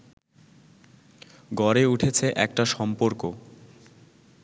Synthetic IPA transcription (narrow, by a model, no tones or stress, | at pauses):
ɡɔɾeuʈʰet͡ɕʰeʔɛkʈaʃɔmpoɾko